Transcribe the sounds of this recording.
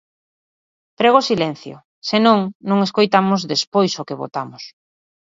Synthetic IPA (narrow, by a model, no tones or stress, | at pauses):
pɾeɣosilɛn̟θjʊ̰ | senõŋnõŋeskojt̪amʊzðespojsʊkeβo̰t̪amʊs